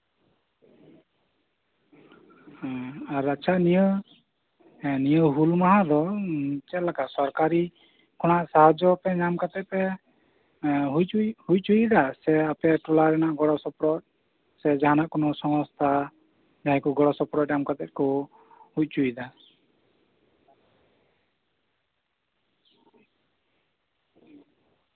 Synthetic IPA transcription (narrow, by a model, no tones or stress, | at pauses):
aɾat͡ʃʰaniə | nijəɦulmaɦad̪ɔt͡ʃɛt̪lakasɔɾkaɾi | kʰɔɽ̃aʔsaɦad͡ʒɔpɛɲamkat̪ɛt̪̚pɛ | ɦujt͡ʃuhuj̚t͡ʃujd̪asɛapɛʈɔlaɾɛnaʔɡɔɽɔsɔpɾɔt̪̚ | sɛd͡ʒaɦanaʔkɔnɔsɔmɔst̪ʰa | d͡ʒaɦɛ̃kuɡɔɽɔsɔpɾɔɲamkat̪ɛt̪̚kɔ | hut͡ʃujd̪a